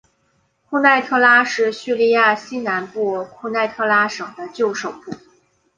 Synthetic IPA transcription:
kʰu˥˧na˥˩˧ɪt̪ʰɤ˥˧la˥ʂɻ̩˥˩ɕy˥˧li˥˧ja˥˩ɕi˥na˧˥npu˥˩kʰu˥˧na˥˩ɪt̪ʰɤ˥˧la˥ʂɤ˨˩ŋd̪ə˦t͡ɕjo˥˩ʊʂo˨˩ʊpu˥˩

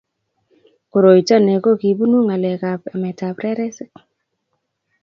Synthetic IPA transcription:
ko˨ɾo˨i˨ta˦ne˨ko˦ki˨bu˦nu˦ŋa˨lɛ˨ka˨pa̰˨mɛ˨ta˨pɾɛ˦ɾɛ˦sɪ˦k̚

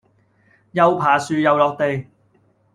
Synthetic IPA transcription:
jɐ˨˧wpʰaː˨˩syː˨jɐ˨wlɔː˨˧k̚t̪e˨j

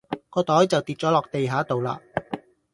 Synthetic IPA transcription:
kɔː˧t̪ɔː˨˥jt͡sɐ˨wt̪iː˨t̚t͡ʃɔː˨˥lɔː˨k̚t̪e˨jɦaː˨˥t̪o˨wla̰ː˧

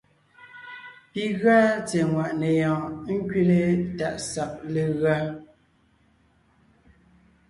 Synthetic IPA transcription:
pi˦ɣa˦t͡se˨ŋwa˨ʔne˨jɔ̃ː˨˦ŋ̩˦kɥi˦le˦ta̰˨ʔsa˨p̚le˨ɣa˦

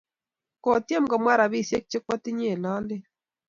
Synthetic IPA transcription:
kɔ˨tje˦mɡɔ˨mwa˦ɾa˨βi˦˨sje˦k̚t͡ʃɪ˦k̚wɔ˦tɪ˦ɲe˦˨na˦ldɪ˦

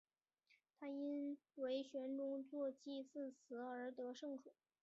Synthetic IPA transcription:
t̪ʰa˥i˥nwe˧˥ɪɕɥɛ˧˥nʈ͡ʂʊ˥ŋt͡swɔ˥˧t͡ɕi˥˧t͡sɹ̩˥˩t͡sʰɹ̩˧˥ə˞˧˥t̪ɤ˧˥ʂɤ˥˧˩ŋʈ͡ʂʰɤ˨˩˦

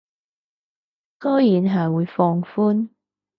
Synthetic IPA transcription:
kɔː˥jiː˨˧˥nɦɐ˨jwuː˨˧jfɔː˧ŋfuː˥n

